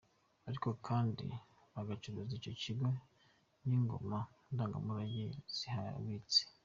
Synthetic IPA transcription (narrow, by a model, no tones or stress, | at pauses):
aɾiko̞kʰaːndḭ | βaɡat͡ʃuɾuzico̞ciɡe | niŋɡo̞̰ma | ndaːŋɡa̰muɾaɟiz̥iha̰βit͡se̥